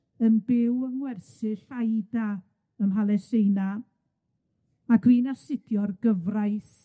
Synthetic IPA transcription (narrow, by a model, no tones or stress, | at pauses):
ənbɪwəŋwɛrsɪɬajda | əmɦalˠɛsejna | aɡwiːnasɪtʰjɔrɡəvrajθ